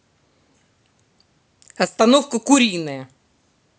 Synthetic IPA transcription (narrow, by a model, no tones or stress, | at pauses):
ɐst̪ɐnofkəkʊɾʲijnːəjə